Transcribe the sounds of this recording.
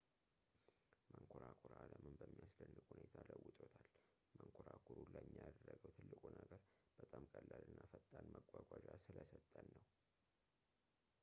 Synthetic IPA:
məŋkʰoɾakʰuɾaləmɨmbəmːijaslənːɨkʼhunet̪ʰaləwːʊt̪ʼot̪ʰal | məŋkʰoɾakʰuɾuləjmːijad̪ərːəɡəwt̪ʰɨlːɨkʼunəɡəɾb̥ət̪ʼamkʼəlːalɨnːafət̪ʼːanməɡʼːaɡʷad͡ʒasɨləsət̪ʼːənːəw

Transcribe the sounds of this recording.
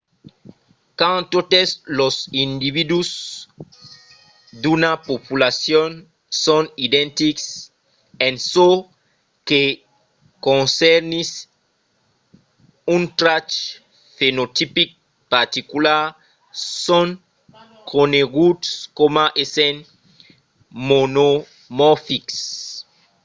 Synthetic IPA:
kãnt̪ot̪eslosĩnd̪iβid̪us | d̪unapopulasjon | sõnid̪ɛ̃nt̪iks | ẽnso | ke | kõnsɛɾnis | ũnt̪ɾat͡ʃ | fenot̪ipik̚ | paɾt̪ikulaɾ | sõŋ | kʰoneɡud̪skomaʔesẽn | mono | mɔfiks

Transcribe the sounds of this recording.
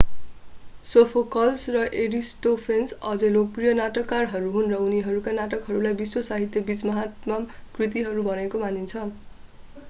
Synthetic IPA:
sopʰokʌlsrʌʔeɽisʈopʰensʌd͡zʌlok̚prijʌnaʈʌkːarɦʌɾuɦunrʌuniɦʌɾukanaʈʌkɦʌɾulajbiswʌsaɦit̪jʌbit͡smʌɦat̪mamkrit̪̬iɦʌɾubʱʌnekomanint͡sʰʌ

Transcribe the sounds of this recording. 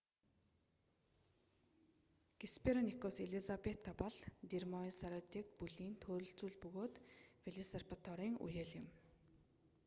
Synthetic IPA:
ɡ̥ispʰeɾɔnikoːseɮizapet̪ʰːapɔɮt̪irmɔisaɾɔt̪ʰiːkpuɮiːnt̪ʰoːɾɵ̆ɬt͡suːɮpɵɣoːt̪feɮisarpat̪ʰɔɾiːŋṵjeːɮjɪ̆m

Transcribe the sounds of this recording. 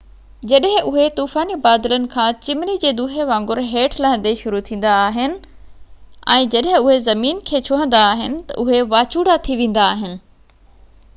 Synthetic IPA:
d͡ʑɐɗɦɪ̃ʔʊɦet̪uːfaːnibaːd̪ɪlənɪ̆kʰãːt͡ɕɪmnid͡ʑeːd̪uːɦeʋãːŋɡʊɾɦeːʈʰlaɦə̃n̆d̪eʃʊɾut̪ʰĩːn̆d̪aːɦɪnɪ̆ | ɛ̰̃ːd͡ʑɐɗɦɪ̃ʊɦezɐmiːnkʰeːt͡ɕʰoːɦə̃nd̪aːɦɪnɪ̆t̪ɐ̰ʔʊɦeʋaːt͡ɕuːɽat̪ʰiʋẽːn̆d̪aːɦɪnɪ̆

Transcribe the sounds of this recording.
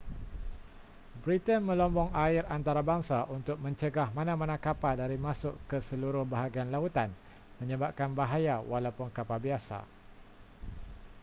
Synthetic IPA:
bɾit̪ənmə̃lɔmbɔŋaɪɾant̪aɾabaŋsaʔunt̪ʊk̚mə̃ɲt͡ʃəɡahmãnãmãnãkapadaɾimãsʊʔkəsəluɾʊhbaɦaɡianlaut̪an | mə̃ɲəbap̚kanbaɦajawalawpʊnkapabiasa̰

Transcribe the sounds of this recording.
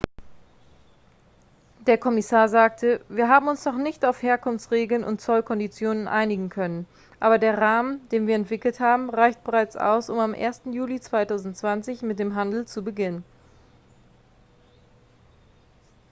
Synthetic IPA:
d̥eːɐkʰɔmɪsaːɐzaːk̚tʰəviːɐɦaːbm̩ʊnsnɔχnɪçtaʊfheːɐkʰʊnft͡sʁeːɡl̩nʔʊ̰ntt͡sɔlkʰɔndit͡sjoːnənʔa̰ɪnɪɡŋ̩kʰœnən | ʔaːbɐdeːɐʁaːməndeːnviːɐɛntv̥ɪkl̩thaːbm̩ʁaɪçt̚b̥əʁaɪt͡sʔa̰ʊsʊmamʔḛːɐstn̩juːlit͡sv̥aɪtaʊzn̩tt͡sv̥ant͡sɪçmɪt̚d̥eːmɦandl̩t͡subəɡɪnən

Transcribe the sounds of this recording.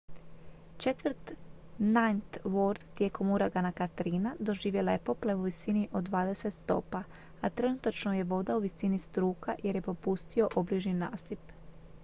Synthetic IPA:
t͡ʃe̞t̪ʋɾ̩t̪ | nant̪ʋoɾd̪t̪ːje̞ːko̞muɾaɡanakat̪ɾiːnad̪o̞ʒiːʋje̞laje̞po̞ple̞uʋisiniʔo̞d̪ʋaːd̪e̞se̞t̪st̪o̞̰ːpa | at̪ɾe̞nut̪at͡ʃno̞je̞ʋo̞d̪auʋisinist̪ɾuːkaje̞ɾje̞po̞pust̪io̞ʔobliʒninaːsip

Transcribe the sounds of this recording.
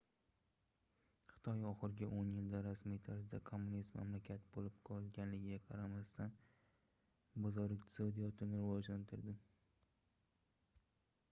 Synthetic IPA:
χɨ̥t̪ʰɒjɒχɨɾɪɡʲaʔonjɪld̪aɾasmijt̪ʰaɾsɪd̪akʰomːunisma̰mlakʲʰat̪bolɪp̚qʰɒlˠɡʲanlɪɡʲɪɡʲaqʰɑɾamast̪ʰan | bɒzɒɾɪkqt̪ʰɪ̥sod̪ijɒt̪ʰɪnɪɾɪvɒd͡ʒlant̪ʰɪɾd̪ɪ

